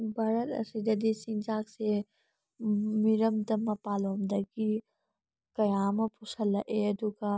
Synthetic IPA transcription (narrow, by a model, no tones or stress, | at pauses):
bʱaɾɐt̪ɐ̰sid̪ɐd̪isind͡ʒaːkse | miɾɐmd̪ɐmɐpalomd̪ɐɡi | kɐjamɐpusɐlːɐʔeɐd̪uɡa